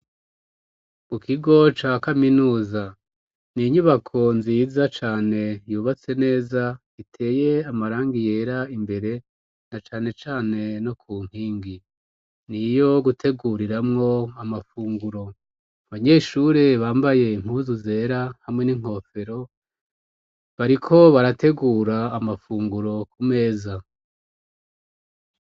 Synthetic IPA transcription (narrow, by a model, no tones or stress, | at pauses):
mukʰiɡo̞t͡ʃakaminuːza | niɲuβakʰo̞nziːzat͡ʃaːne̞juːβat͡se̞ne̞ːza | itʰe̞ːje̞amaɾaːŋɡije̞ːɾaimbe̞ɾe̞ | nat͡ʃaːne̞t͡ʃaːne̞no̞kʰuːŋ̥iːŋɡi | nijo̞ɡutʰe̞ɡuɾiɾamŋo̞amafuːŋɡuɾo̞ | βaɲe̞ʃuɾe̞βaːmbaje̞iŋ̥huːzuze̞ːɾahamŋe̞niŋ̥ho̞fe̞ɾo̞ | βaɾikʰo̞βaɾatʰe̞ɡuːɾaːmafuːŋɡuɾo̞kume̞ːza